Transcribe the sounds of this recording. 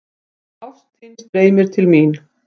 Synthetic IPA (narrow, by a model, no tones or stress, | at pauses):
aft̪hɪnsɾeːjmɪɾ̥t̪ʰɪlmin